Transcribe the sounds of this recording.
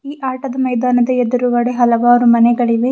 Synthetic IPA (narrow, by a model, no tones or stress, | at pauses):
iːʔaːʈɐd̪ɐmɐjd̪aːnɐd̪ɐed̪ɐɾuʋɐɽeɦɐlɐʋaːɾumɐnɛɡɐɭiʋe